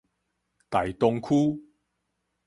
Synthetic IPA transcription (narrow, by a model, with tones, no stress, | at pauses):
t̪a˨˩jt̪ʊ˧ŋkʰu˦